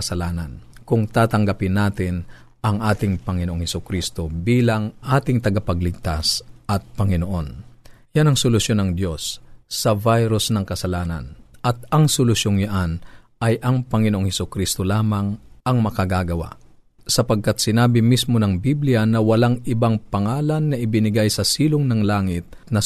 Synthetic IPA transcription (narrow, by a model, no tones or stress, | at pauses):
sɐlaːnɐnkʊŋt̪aːt̪ɐŋɡapɪnːaːt̪ɪn | ʔɐŋʔaːt̪ɪŋpɐŋɪnoʔoŋhɛsʊkɾist̪o̞biːlɐŋʔaːt̪ɪŋt̪ɐɡapɐɡlɪɡ̚t̪asʔɐt̪̚pɐŋɪnoʔo̞n | janɐŋsolʊsjo̞nɐŋd̪jo̞sːɐvajɾʊsnɐŋkɐsɐlaːnɐ̰nʔɐt̪ɐŋsolʊsjoŋjaʔan | ʔɐjʔɐŋpɐŋɪnoʔoŋhɛsʊkɾist̪o̞laːmɐŋʔɐŋmɐkɐɡaɡɐwa̰ʔ | sɐpɐɡ̚kat̪̚sɪnaːbɪmismo̞nɐŋbiblɪjɐnɐwɐlaŋʔɪbaŋpɐŋaːlɐnːɐʔɪbɪnɪɡajsɐsiːloŋnɐŋlaːŋɪt̪̚ | nɐ